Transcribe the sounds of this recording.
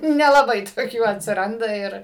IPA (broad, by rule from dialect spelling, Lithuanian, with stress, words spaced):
nʲɛlˠɐˈbɐɪ toːˈkʲuː ɐtʲsʲɪˈrɐndɐ ˈɪr